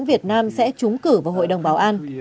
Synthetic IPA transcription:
nvi˨˩ət̚naː˧msɛ̰˧˥t͡ɕʊ˨˦ŋ͡mkɨ˧˩vaː˨˩wɦo̰˧˨jɗə˨˩wŋ͡mɓaː˨˦wʔaː˧n

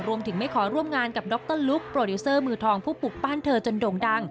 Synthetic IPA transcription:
ɾu˧əmt̪ʰɯ˩˦ŋma˥˩jkʰɔː˩˦ɾu˥˩əmŋaː˧nka˨˩p̚dɔ˦˥k̚t̪ɤ˥˨nlu˦˥k̚pɾoː˧duː˧˦˥sɤː˥˩mɯː˧t̪ʰɔː˧ŋpʰuː˥˩pu˨˩k̚baː˥˩nt̪ʰɤː˧t͡ɕo˧ndoː˧ŋda˧ŋ

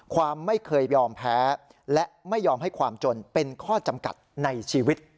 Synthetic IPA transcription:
kʰwaː˧mːa˥˩jkʰɤː˧jjɔː˧mpʰɛː˦˥ | lɛ˦˥ʔma˥˩jːɔː˧mɦa˥˩jkʰwaː˧mt͡ɕo˧npe˧nkʰɔː˥˩t͡ɕa˧mka̰˨˩t̪̚na˧jt͡ɕʰiː˧wi˦˥t̪̚

